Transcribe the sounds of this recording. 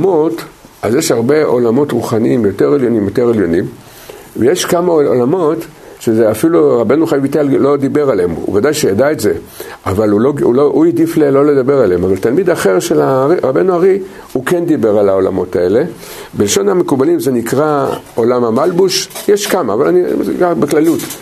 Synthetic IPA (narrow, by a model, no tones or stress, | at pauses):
mo̞t | azjeʃhaʁbe̞ʔo̞lamo̞tʁuχaniimjo̞teʁeljo̞nimjo̞te̞ʁeljo̞nim | vejeʃkamao̰lamo̞t | ʃezeafiluʁabe̞nuχajavit̪allo̞d̪ibe̞ʁalem̰ṵvadajʃejadaetze̞ | avaluloulouidiflelo̞led̪abe̞ʁalemavaltalmid̪aχe̞ʁʃelaʁiʁabe̞nuaʁi | hukend̪ibe̞ʁalao̞la̰mo̞tae̞le̞ | belʃo̞namekubalimzenikʁa | o̞lamamalbuʃjeʃkamaːvalaniɡabeklalut